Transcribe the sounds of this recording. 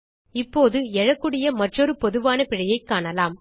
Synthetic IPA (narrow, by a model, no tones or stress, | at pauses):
ɪpːoːðɯɛɻɐkːɯɽɪjɐmɐʈrɔɾɯpɔðɯʋaːnɐpɪɻɐjɐɪkːaːɳɐlaːm